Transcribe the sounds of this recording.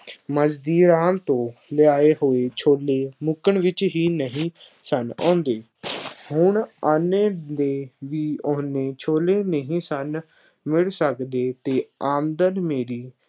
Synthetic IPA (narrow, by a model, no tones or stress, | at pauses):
məzd̪iːɾaːmt̪õːlɪjaːeːɦoːeːt͡ʃʰoːleːmʊkəɳʋɪt͡ʃɦiːnəɦĩː | sənɔ̰̃ːnd̪eː | hʊɳaːneːd̪eːʋiːɔːneːt͡ʃʰoːleːnəɦĩːsən | mɪɭsəkd̪eːt̪eːaːmd̪ənmeːɾiː